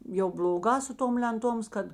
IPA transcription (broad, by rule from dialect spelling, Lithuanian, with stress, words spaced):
jɛʊ bʲlʲoːˈɡɑː sʊ ˈtoːm lʲɛnˈtoːms ˈkɐt